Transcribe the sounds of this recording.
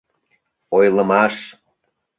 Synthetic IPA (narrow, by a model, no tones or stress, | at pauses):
ojlə̆mɑʃ